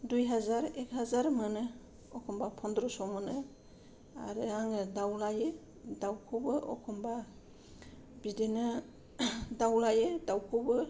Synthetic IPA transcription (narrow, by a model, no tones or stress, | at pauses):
dujɦazaɾɛk̚hazaɾmɯnɯ | ɔkʰɔmbapʰɔndɾɔsɔmɯnɯ | a̰ɾɯaŋɯdawlajɯ | dawkʰɔbɯʔɔ̰kʰɔmba | bidenɯ | dawlajɯdawkʰɔbɯ